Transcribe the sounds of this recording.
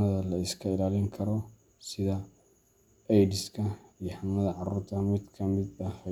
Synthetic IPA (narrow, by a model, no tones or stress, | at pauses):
ɐðɐlɐɪskʰɐɪlaːlɪŋkʰɐɾɔ | sɪðɐ | ɛjdɪskʰɐijɔħamɐðɐʕɑɾuːɾt̪ʰɐmɪd̪kʰɐmɪd̪ɐɐ